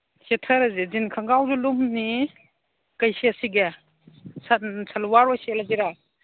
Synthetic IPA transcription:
setʰaɾazezinkʰaŋɡawzulumni | kajsesiɡe | sasʰalwaɾwaselaziɾa

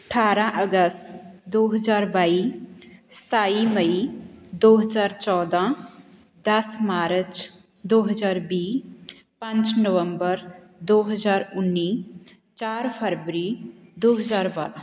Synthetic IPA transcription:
əʈʰaɾãʔəɡəst̪d̪oɦəd͡ʒaːɾbai | st̪ʰaiməid̪oɦəd͡ʒaɾt͡ʃɔːd̪ã | d̪əsmaːɾət͡ʃ | d̪oɦəd͡ʒaɾbi | pãnt͡ʃnəʋəmbəɾ | d̪oɦəd͡ʒaːɾunːi | t͡ʃaɾpʰəɾbəɾid̪oɦəd͡ʒaɾbəl

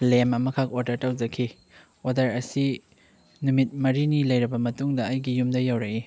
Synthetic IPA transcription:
lemɐmɐkʰak̚odɐɾtawd͡ʒɐkʰi | odɐɾɐsi | numit̚mɐɾinilɐjɾɐbɐmɐtuŋdɐːjɡijumdɐjawɾaki

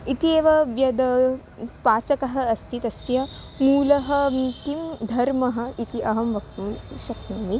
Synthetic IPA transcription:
it̪ieːʋɐʋjɐd̪ɐ | paːt͡ʃɐkɐɦɐ̆ːst̪ʰit̪ɐsjɐ | muːlɐɦɐ̆k̪imd̪ʱɐɾmɐɦɐ̆it̪iʔɐɦɐmʋɐkt̪umʃɐk̪uːmi

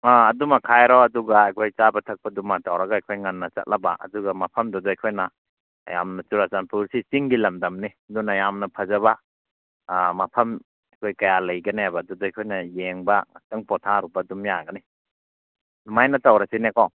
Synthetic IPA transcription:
aːdumɐkʰajɾɔɐduɡaːjkʰojt͡ʃabɐtʰɐk̚pɐdumatawɾɐɡaɐjkʰojŋɐnːɐt͡ʃɐ̰t̚lʔɐba̰ʔɐ̰duɡɐmɐpʰɐmdɔdɔajkʰojnɐ̰ | ja̰mnɐt͡ʃuɾasanpuɾsisiŋɡilɐmdɐmniɐdunɐjamnɐpʰɐzɐβɐ | mɐpʰɐm | ɐjkʰojkɐjalɐjɡɐneabadudɔajkʰojnɐjeŋbɐ̰tɐŋpɔtʰaɾubɐdumjaɡɐni | nmajnɐtawɾasinekɔ

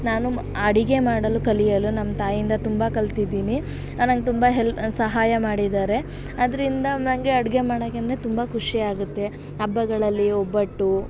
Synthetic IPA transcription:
naːnu | ɐɽiɡe̞maːɽɐlukɐlijɐlunɐmːɐt̪aːjind̪ɐt̪umbɐkɐlt̪id̪iːni | nɐŋɡet̪umbɐɦelsɐɦaːjɐmaːɽid̪aːɾe̞ | ɐd̪ɐɾind̪ɐnɐŋɡeɐɽiɡe̞maːɽɐkend̪ɾet̪umbɐkuʂiaːɡut̪ːe̞ | ɐbːɐɡɐɭɐlːiɔbːɐʈːu

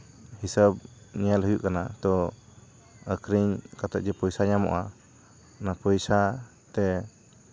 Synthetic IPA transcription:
hisəb̚ɲɛjalɦəjuʔkanat̪ɔ | əkɾiɲkat̪ɛʔ̚d͡ʒɛpɔjsaɲamɔ̰ʔa | napɔjsa | t̪ɛ

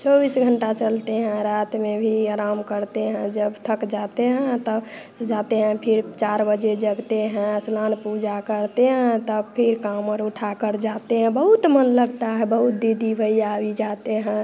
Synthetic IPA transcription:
t͡ʃɔbisɡʱəɳʈat͡ʃəlt̪eɦɛ̃ɾat̪mebʱiaɾamkəɾt̪eɦɛ̃d͡ʒəbt̪ʰəkd͡ʒat̪eɦɛ̃t̪əb | d͡ʒat̪eɦə̃pʰiɾt͡ʃaɾbəd͡ʒed͡ʒəɡt̪eɦɛ̃slanpud͡ʒakəɾt̪eɦɛ̃t̪əbpʰiɾkaməɾuʈʰakəɾd͡ʒat̪eɦɛ̃bəɦut̪mənləɡt̪aɦɛbəɦut̪̚d̪id̪ʱibʱəiabid͡ʒat̪eɦɛ̃

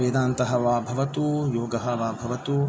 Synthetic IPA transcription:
eːd̪aːnt̪ɐɦɐʋaːbʱɐʋɐt̪ujoːɡɐɦɐʋaːbʱɐʋɐt̪u

